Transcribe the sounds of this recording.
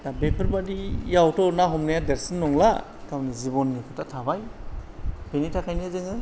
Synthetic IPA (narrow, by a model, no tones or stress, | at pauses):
tabepʰɯɾbadijawtɔnaɦɔmnajadeɾsinːɔŋla | kawnizibɔnːikʰɯtatʰabaj | pʰenitʰakʰajniazɯŋɯ